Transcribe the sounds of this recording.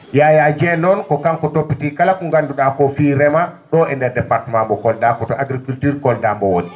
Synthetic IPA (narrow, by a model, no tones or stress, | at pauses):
jajad͡ʒɛnɔnkɔkaŋkɔtopːitikalakuŋɡanduɗakɔfiɾɛmaɗɔɛndɛdɛpaɾtmambɔkɔldakɔtɔʔaɡɾikultiɾkɔldambɔwoɗi